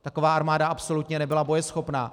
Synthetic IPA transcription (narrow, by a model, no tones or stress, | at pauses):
t̪ako̞vaːʔaɾmaːdaʔapso̞lut̪ɲɛnɛbɪlabo̞jɛsxo̞pnaː